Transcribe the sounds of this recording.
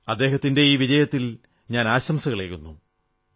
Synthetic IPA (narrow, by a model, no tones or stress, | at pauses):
ɐd̪ːeːɦɐt̪ːinde̞iːʋid͡ʑɐjɐt̪ːil | ɲaːnaːɕɐmsɐɣɐɭeːkːunːu